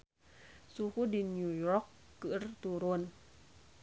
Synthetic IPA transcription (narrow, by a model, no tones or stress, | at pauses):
suxuɗinɲujɔkːɨ̰ərt̪uɾuən